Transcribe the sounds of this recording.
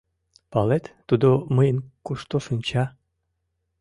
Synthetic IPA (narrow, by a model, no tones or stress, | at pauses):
palet̪ːud̪oməjnkuʃt̪oʃɨnʲt͡ɕa